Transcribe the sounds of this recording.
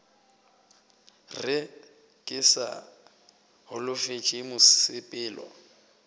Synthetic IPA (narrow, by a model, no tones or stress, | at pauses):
rɪ | kʼɪsa̰ | hʊlʊfet͡ʃʼɪmʊsɪpʼɪːlɔ̰